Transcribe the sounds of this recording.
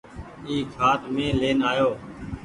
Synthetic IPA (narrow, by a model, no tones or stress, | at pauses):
iːkʰaːt̪mẽːleːnaːjoː